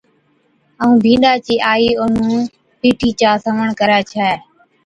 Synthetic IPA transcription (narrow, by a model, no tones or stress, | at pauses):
əũːbʱĩːɗaːt͡ʃiːʔaːiːʊn̤ũː | piːʈʰiːt͡ʃaːsəʋəɳkəɾaːt͡ʃʰɛː